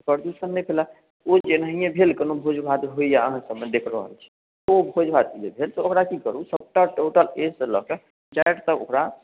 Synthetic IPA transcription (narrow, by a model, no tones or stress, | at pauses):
pɾəɾd̪usənːɛpʰela | od͡ʒenəijẽbʱelkenobʱod͡ʒbʱad̪ɦoijaəɦãsəbmed̪ekʰɾəɦə̰lt͡ʃʰɛ̥ | obʱod͡ʒbʱad̪̚iebʱelt̪ookɾakikəɾusəb̚ʈaʈoʈəlesələ̰ke | d͡ʒaeʈt̪əo̰kɾa